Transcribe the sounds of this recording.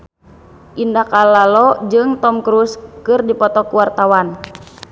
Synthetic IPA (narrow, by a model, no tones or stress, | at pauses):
ʔindakalalɔd͡ʒɨŋt̪ɔmkɾuskɨrdipɔt̪ɔkuwart̪awan